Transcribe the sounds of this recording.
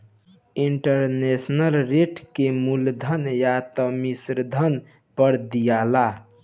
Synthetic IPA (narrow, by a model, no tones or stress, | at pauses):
iɳʈəɾnesnəlɾeʈkemuld̪ʱənjat̪ɔmisɾd̪ʱən | pəɾd̪ijala